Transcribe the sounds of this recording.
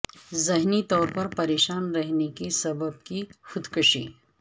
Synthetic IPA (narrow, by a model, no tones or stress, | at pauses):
zɪɦnit̪ɔːɾpɐɾpɐɾeːʃaːnɾɐɦnekisɐbəb̚kixʊd̪kʊʃḭː